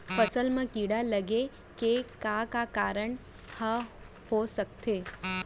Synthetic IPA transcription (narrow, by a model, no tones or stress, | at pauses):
fəsəlmãkiɽaləɡe | kekakakaɾəɳ | hə | hosək̚t̪ʰe